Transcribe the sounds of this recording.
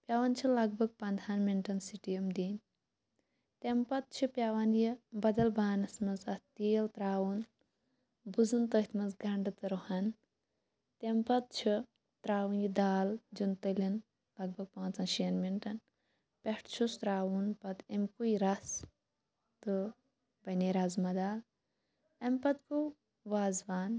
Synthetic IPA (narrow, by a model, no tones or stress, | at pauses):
pʲjaʋɐnt͡ʃʰilɐɡ̚bʱɐɡ̚pɐnd̪ʰʱanmiɳʈɐnsiʈijɐmd̪iːn | t̪empɐt̪̚t͡ʃʰipʲjaʋɐnjibɐd̪ɐlbaːnɐsmɐzɐt̪iːlt̪ɾaːwun | buzɨnt̪ət̪ʰmɐzɡɐɳɖɨt̪ɨɾohɐn | t̪empɐt̪̚t͡ʃʰi | t̪ɾaːwunjid̪aːld͡ʒunt̪ɨlʲin | lɐɡ̚bʱɐɡ̚pãːnt͡sɐnʃɐnminʈɐn | pʲeʈt͡ʃʰust̪ɾaːwunpɐd̪ɐmkuiɾɐs | t̪ɨ | bɐneɾaːzmɐd̪aːl | ɐmpɐt̪ku | ʋaːzʋaːn